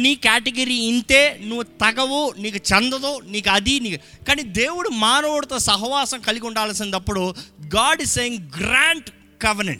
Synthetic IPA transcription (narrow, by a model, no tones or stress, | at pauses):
niːkaːʈeɡɐɾiːint̪e̞ːnuʋːut̪ɐɡɐʋuniːkut͡ʃɛnd̪ɐd̪oːniːkuɐd̪iniːk | kaːniːd̪eːwuɽumaːnɐʋuɽut̪oːsɐɦʋaːsɐmkɐliɡuɳɖaːlɐsind̪ɐpːuɽuɡaːɖisseːjiŋɡɾaːɳʈ | kɐʋɐɾnḛɳʈ